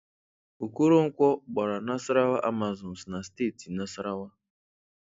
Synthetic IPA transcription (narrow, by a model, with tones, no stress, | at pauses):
u˨ku˦ɾo˦ŋ̩˦kʷɔ˦ɡ͡ba˨ɾa˨na˦si˦ɾa˦wa˦ʔa˦ma˨zɔ˨n˨sna˨ste˦˨ti˨na˦si˦ɾa˦wa˦